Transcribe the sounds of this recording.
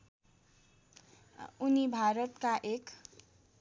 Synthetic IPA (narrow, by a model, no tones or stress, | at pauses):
unibʱaɾʌt̪kaʔek